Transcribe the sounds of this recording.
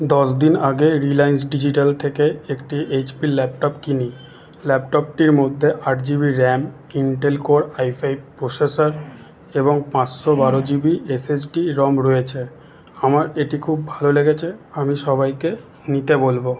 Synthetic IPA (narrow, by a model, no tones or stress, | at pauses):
d̪ɔʃd̪inaɡeɾilajns̬ɖid͡ʑiʈalt̪ʰekeekʈiʔed͡ʑpilɛpʈopkini | lɛpʈop̚ʈiɾmod̪ʱːeʔaʈd͡ʑiβiɾɛm | iɳʈelkoɾajfʰajpɾosesaɾ | eβoŋpãt͡ɕʃobaɾod͡ʑibiesesʈiɾɔmɾojet͡ɕʰe | amaɾeʈikʰubːʱaloleɡet͡ɕʰeamiʃɔβajke | nit̪ebolbo